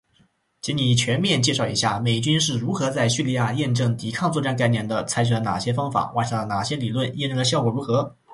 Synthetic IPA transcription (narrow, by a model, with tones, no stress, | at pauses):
t͡ɕʰi˧˥ŋni˨˩t͡ɕʰɥɛ˧˥nmjɛ˥˧nt͡ɕjɛ˥˧ʂɑ˥˩ʊḭ˧˥ɕja˥˩me˨˩ɪt͡ɕy˥nʂɻ̩˥˩ɻu˧˥xɤ˧˥t͡sa˥˧ɪɕy˥˧li˥˧ja˥˧jɛ˥˧nʈ͡ʂɤ˥˩ŋt̪i˨˧˥kʰɑ˥˧ŋt͡swɔ˥˧ʈ͡ʂa˥˧nk̬a˥˧ɪnjɛ˥˩nd̪ə˩t͡sʰa˥ɪt͡ɕʰy˨˩lə˧˥na̰˨˩ɕjɛ˥fɑ˥ŋfa̰˨˧˩wa̰˥˧˩ʂɑ˥˩lə˧˩na˨˩ɕjɛ˥li˨˩lwə˥˩njɛ˥˧nʈ͡ʂɤ˥˩də˧˩ɕjɑ˥˩ʊkwɔ˨˩ɻu˧˥xɤ˧˥